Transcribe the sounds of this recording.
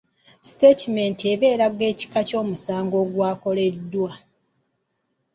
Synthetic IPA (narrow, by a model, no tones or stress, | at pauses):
si̥tetime̞nteβe̞ːɾaɡe̞ːci̥kaco̞ːmusaːŋɡo̞ːɡwaːko̞le̞dːwa